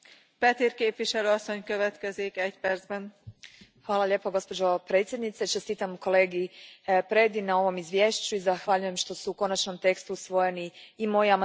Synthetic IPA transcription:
pɛt̪irkeːpʋiʃɛløːɒsːo̞ɲkøʋɛt̪kɛzikɛcpɛrdzbɛn | xʋaːlˠaʎe̞ːpo̞ɡo̞spo̞d͡ʒo̞pɾet̪sje̞d̪nit̪set͡ʃest̪iːt̪amuko̞leːɡipɾed̪inao̞ʋo̞mizʋʲje̞ːʃt͡ɕuizaxʋaʎuje̞mʃt̪o̞suuko̞nat͡ʃnomt̪e̞kst̪usʋo̞je̞niːmo̞jiama

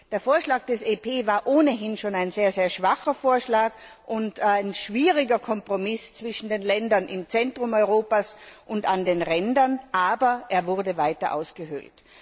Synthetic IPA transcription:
d̥eːɐfoːɐʃlaːɡ̚d̥ɛseːpʰeːvaːɐʔoːnəɦɪnʃoːnaɪnzeːɐzeːɐʃv̥aχɐfoːɐʃlaːkʔʊntaɪnʃv̥iːʁɪɡɐkʰɔmpʁ̥ɔmɪst͡sv̥ɪʃn̩deːnlɛndɐnʔɪ̰mt͡sɛntʁ̥ʊmɔʏʁoːpasʔʊntandeːnʁɛndɐnʔaːbɐʔeːɐvʊʁɐdəvaɪtɐʔa̰ʊsɡ̥əɦʏ̰lt

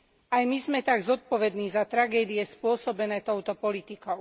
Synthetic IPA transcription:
ajmizmɛt̪aɡzɔt̪̚pɔʋɛd̪niːzat̪ɾaɡɛːd̪ijɛspʊɔsɔbɛnɛːt̪ɔʊt̪ɔpɔlit̪ikɔʊ

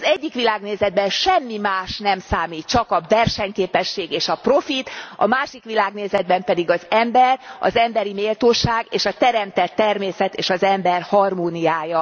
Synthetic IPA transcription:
zɛɟːikʋilaːɡneːzɛd̪̚bɛnʃɛmːimaːʃnɛmsaːmiːt̪̚t͡ʃɒkɒvɛrʃɛɲkeːpɛʃːeːɡeːʃɒpro̞fit̪ɒ̰maːʃikʋilaːɡneːzɛd̪̚bɛmpɛd̪iɡɒzɛmbɛrɒ̰zɛmbɛɾimeːlt̪oːʃaːɡeːʃɒt̪ɛɾɛmt̪ɛt̪ːɛrmeːsɛt̪eːʃɒzɛmbɛrhɒrmoːnijaːjɒ

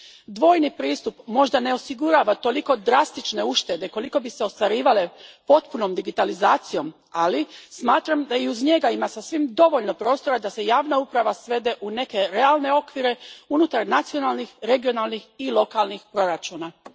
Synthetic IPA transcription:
d̪ʋo̞ːjnipɾiːst̪upmo̞ʒd̪ane̞o̞siɡuɾaːʋat̪o̞liko̞d̪ɾast̪it͡ʃne̞uʃt̪e̞d̪e̞ko̞liko̞biseost̪ʋaɾiːʋale̞po̞t̪puno̞md̪iɡit̪alizaːt̪sijo̞m | alismaːt̪ɾamd̪aiuzɲe̞ɡaimasasʋimd̪o̞ʋo̞ʎno̞pɾo̞ːst̪o̞ɾad̪ase̞jaːʋnaupɾaʋasʋe̞d̪e̞ʔune̞ke̞ɾe̞alˠne̞o̞kʋiɾe̞unut̪aɾnat̪sio̞nalnixɾe̞ɡio̞nalnixilˠo̞kalnixpɾo̞ɾat͡ʃuːna

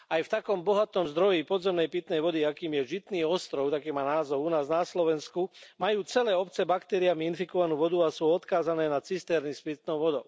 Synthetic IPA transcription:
ajft̪akɔmbɔɦat̪ɔmzd̪ɾɔjipɔd̪zɛmnɛjpit̪nɛjʋɔd̪iakiːmjɛʒit̪niːɔst̪ɾɔʊt̪akiːmaːnaːzɔʊunaːznaslɔʋɛnskumajuːt͡sɛlɛːɔpt͡sɛbakt̪ɛːɾiamiinfikɔʋanuːʋɔd̪uasuːɔt̪kaːzanɛːnat͡sist̪ɛːɾnispit̪̚nɔʊʋɔd̪ɔʊ

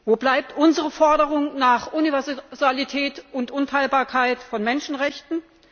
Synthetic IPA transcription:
voːblaɪp̚tʔʊnzəʁəfɔɐdəʁʊŋnaːχʔunivɛɐzzalitʰɛːtʊntʔʊntʰaɪlbaːɐkʰaɪtfɔnmɛnʃn̩ʁɛçtn̩

